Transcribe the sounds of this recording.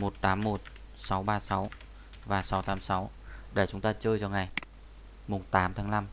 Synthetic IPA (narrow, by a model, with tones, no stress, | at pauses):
mo˨˩t̚t̪aː˨˦mːo˨˩t̚ | sa˨˦wɓaː˧sa˨˦w | vaː˨˩sa˨˦wt̪aː˨˦msa˨˦w | ɗe˧˩t͡ɕʊ˨˦ŋ͡mt̪aː˧t͡ɕəː˧jt͡ɕɔ˧ŋa˨˩j | mʊ˨˩ŋ͡mt̪aː˨˦mt̪ʰaː˨˦ŋla˧m